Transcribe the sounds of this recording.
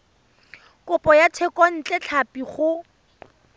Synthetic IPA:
kʊpʼɔjatʰɛkʼɔn̩t͡ɬʼɛt͡ɬʰapiχʊ

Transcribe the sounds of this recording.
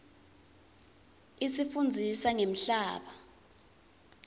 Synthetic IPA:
isifund͡zʱisaŋem̩ɬaːɓa

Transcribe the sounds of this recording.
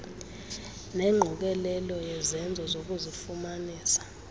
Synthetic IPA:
nɛŋ͡ǃʱuk̬ɛlɛlɔjɛzɛnd͡zʱɔzok̬uzifumaniːsḁ

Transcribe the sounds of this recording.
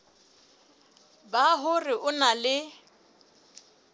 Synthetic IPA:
baɦʊrɪʔʊnalɪ

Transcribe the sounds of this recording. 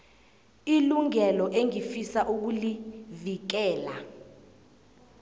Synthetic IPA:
iluŋɛlɔʔeŋifisaʔuk̬ulivik̬ɛːla

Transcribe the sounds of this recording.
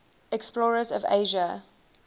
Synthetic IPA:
ɛksplɔːɹəzɔvḛɪʒə

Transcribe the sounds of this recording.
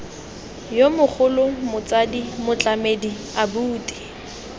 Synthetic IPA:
jomʊk͡xʰʊlʊmʊt͡sadimʊt͡ɬʼamedi | abuːtʼi̥

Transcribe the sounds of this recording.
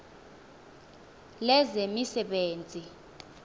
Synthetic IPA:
lɛzemisɛɓeːnd͡zʱi

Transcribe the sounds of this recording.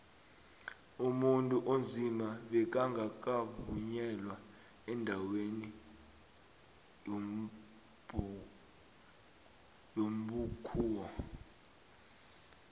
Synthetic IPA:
umuntʼuʔond͡zʱimaɓɛk̬ʼaŋɡʱak̬ʼavuɲɛlwa | ɛndʱaweni | jom̩ɓukʰuːwɔ

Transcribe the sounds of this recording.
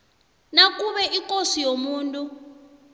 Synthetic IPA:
nak̬ʼuɓɛʔikʼosijomuːntʼu

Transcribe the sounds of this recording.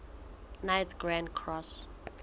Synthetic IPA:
najtɡɹãndkʰɹɔs

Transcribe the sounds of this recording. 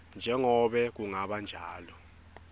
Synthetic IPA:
nd͡ʒʱɛŋɔɓɛk̬uŋaɓand͡ʒʱaːlɔ

